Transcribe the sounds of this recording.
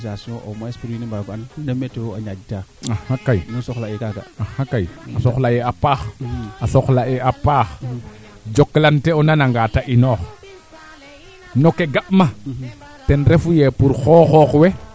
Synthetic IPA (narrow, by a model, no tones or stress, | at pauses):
sasiõʔomaespiɾinembaɾɡoannemetowaɲad͡ʒtaahakːajnusoxlaekaɡa̰ahakːajasoxlajeapaxasoxlaeʔapaːx | d͡ʒokːlanteonanaŋɡataʔinoːx | nokeɡaʔma | tɛnɾefujepuɾxoːxɔxwe